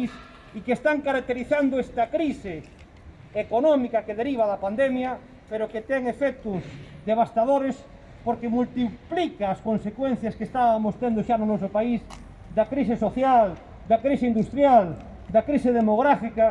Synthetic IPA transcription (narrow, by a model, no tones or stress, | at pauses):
is | ikest̪aŋkaɾak̚t̪eɾiθand̪oest̪ɐkɾise | ekonɔmikɐkeðeɾiβ̞aðɐpand̪emjɐ | peɾoket̪ɛŋefɛk̚t̪ʊzd̪eβ̞ast̪aðoɾes | poɾkemult̪iplikaːskonsekwen̟θjɐskest̪aβamost̪end̪oʃanonɔsopais | d̪ɐkɾisɪsoθjal | d̪ɐkɾiseind̪ust̪ɾjal | d̪ɐkɾiseðemoɣɾafika